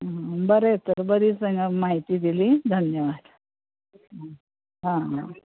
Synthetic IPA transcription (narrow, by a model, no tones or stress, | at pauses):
bəɾet̪əɾbəd̪ʱiːsəŋɡəmaɦit̪iːd̪ilid̪ʱənjəʋad̪ | ɦãɦ